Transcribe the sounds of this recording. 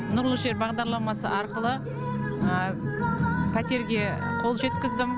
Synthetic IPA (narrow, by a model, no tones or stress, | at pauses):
nʊɾlˠəʒe̞ɾbɑʁd̪ɑɾlˠɑmɑsə̰ʔɑɾqəlˠə | ə | pʰæt̪e̞ɾɡʲe̞qʰo̞lˠʒe̞t̪kʲɪzd̪ɪm